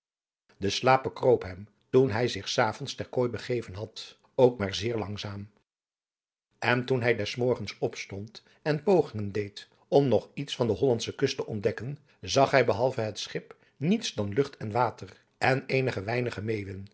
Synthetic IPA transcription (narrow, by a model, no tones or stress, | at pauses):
dəslaːp̚bəkrowpɦɛm | tunɦɛjzɪχsaːvɔnstɛɹkoːjbəχejvənɦɑt | owkmaːɹzɪːɹlɑŋzaːm | ɛntunɦɛjdɛsmɔɹχənsɔpstɔnt | ɛnpowχɪŋəndejt | ɔmnɔχitsfɑndəɦɔlɑntsəkɵstəʔɔndɛkən | zɑχɦɛjbəɦɑlˠvəɦətsχɪp | nitsdɑnlɵχtɛnʋaːtər | ʔɛneːjnəχəʋɛjnəχəmejʋən